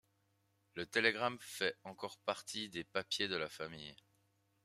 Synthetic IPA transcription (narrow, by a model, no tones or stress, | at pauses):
lət̪eleɡʁamfɛɑ̃kɔʁpaʁt̪ʰid̪epapjed̪əlafamij